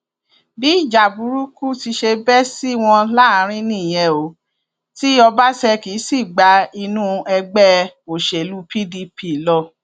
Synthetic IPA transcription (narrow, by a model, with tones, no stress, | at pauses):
bi˦i˦˨d͡ʒa˨bu˨˦ɾu˦ku˦ti˧ʃe˧bɛ˦si˦w̃ɔ̃˧la˦ã˨˦ɾ̃ĩ˦nĩ˦˨j̃ɛ̃˧˦o˨˦ | ti˦ɔ˧ba˦sɛ˧ki˨˦si˦˨ɡ͡ba˨˦i˧nũ˦ɛ˧ɡ͡bɛ˦o˨ʃe˨lu˦pʰi˦di˧pʰi˦˨lɔ˧